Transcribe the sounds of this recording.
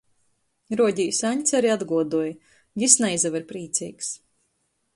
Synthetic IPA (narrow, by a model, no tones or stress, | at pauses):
ɾuɔɟʲijsaɲʲt̪ʲsʲaɾiad̪ɡuɔd̪uɔj | ɡʲisnɛjzaviɾpɾiːt̪sʲḭːks